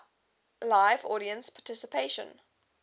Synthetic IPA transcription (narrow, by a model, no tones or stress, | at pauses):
laɪvɔɾiə̃nspʰɑtʰɪsəpʰeʃə̰̃n